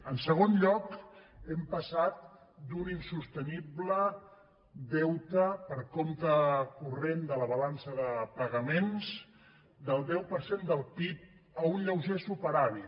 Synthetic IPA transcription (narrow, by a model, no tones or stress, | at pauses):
ənsəɣ̞onʎɔkɛmpəsat̪̚ | d̪uninsust̪əniblə | d̪ɛwt̪əpəɾkomt̪əkurend̪ələβəlansəðəpəɣəmenz | d̪əlˠd̪ɛwpəɾsend̪əlˠpip̚ | əunʎəwʒesupəɾaβi